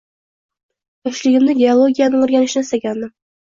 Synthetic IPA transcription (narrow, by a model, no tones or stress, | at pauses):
ɒʃlɪɡʲɪmnɪɡʲeolˠoɡʲijanɪŋɵɾɡʲænɪʃɪnɪsæɡʲænd̪ɪ